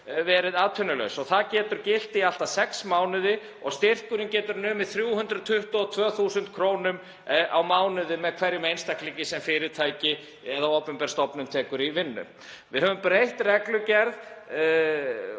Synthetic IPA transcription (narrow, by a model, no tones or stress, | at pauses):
vɛːɾɪðaːðt̪ʰœnʏlœ̰ɥsɔɣθaðcɛːt̪ʏɾcɪl̥t̪ial̥t̪asɛksmaːwnʏðɪ | ɔɣst̪ɪr̥kʏɾɪncɛːt̪ʏɾnʏːmɪðθɾjuːhʏnd̪ɾʏðt̪ʰʏht̪ɔɔt̪ʰvœːθusʏnt̪kʰɾoːwnʏm | ʔawmaːwnʏðɪmɛðkʰvɛɾjɪmejnst̪ahkliŋcɪsɛmfɪːɾɪɾt̪ʰaːjcɪ | ɛðaowpmpɛɾ̥st̪ɔpnʏmt̪ʰɛːkʏɾivɪnːʏ̰m | vɪðhœvʏmpɾejht̪rɛklʏcɛɾð